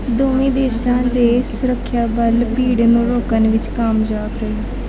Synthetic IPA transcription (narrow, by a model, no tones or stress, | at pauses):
d̪oːmẽːd̪eːsãːd̪eːsʊɾəkʰːjaːbəlpiːɽnũːɾoːkənʋɪt͡ʃkəmd͡ʒaːpɾəiː